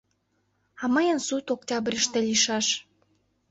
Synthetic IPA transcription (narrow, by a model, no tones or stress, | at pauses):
ɑmɑjənsut̪ok̚tʲɑbrʲəʃt̪elʲiʃɑʃ